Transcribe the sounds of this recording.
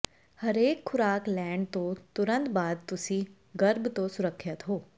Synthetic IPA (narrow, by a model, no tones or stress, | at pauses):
həɾeːkʰːʊɾaːklɛ̃ːɳɖt̪õt̪ʊɾə̃nt̪baːd̪̚t̪ʊsĩ | ɡəɾbt̪õsʊɾəkʰːət̪ɦoː